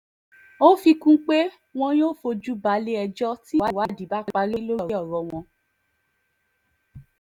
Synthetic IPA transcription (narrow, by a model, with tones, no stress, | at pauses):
o˦fi˧kũ˦k͡pe˦ | w̃ɔ̃˧j̃o˦˨fo˧d͡ʒu˦ba˨˧˦le˦ɛ˧d͡ʒɔ˦ti˦wa˨˦wa˨˦˨di˨ba˦˧k͡pa˧ɾo˦lo˦˨˦ɔ˦˨ɾɔ˧w̃ɔ̃˧